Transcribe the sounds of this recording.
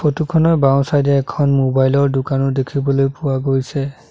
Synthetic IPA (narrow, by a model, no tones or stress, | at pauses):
pʰotukʰɔnɔbaw̃sajdɛɛkʰɔnmobajlɔɹdʊkanɔdekʰibɔlojpʊwaɡojsɛ